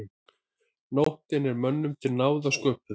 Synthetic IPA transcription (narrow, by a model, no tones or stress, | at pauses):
nowht̪ɪnɛɾmœnːʏmt̪ʰɪlnaːwðaskœːpʏ